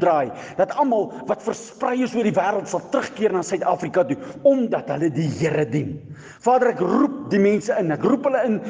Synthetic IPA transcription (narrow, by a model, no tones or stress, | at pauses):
drɑːj | d̥ɐtɐlmɐlˠvɐtfərsprɛjəsuərdivæːɾəlˠtsɐlˠtrəχkiərnɑːsœɥtɑːfrikɐtuɔmdɐtɦələdiɦiəɾədin | fɑːdərækrup̚dimɛnsəənækrupɦələən